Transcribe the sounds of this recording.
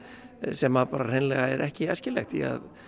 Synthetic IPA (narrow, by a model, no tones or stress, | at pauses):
sɛmaðpaːɾar̥ejnlɛɣaɛɾʔɛhcɪɛscɪlɛ̰xt̪ḭa̰ð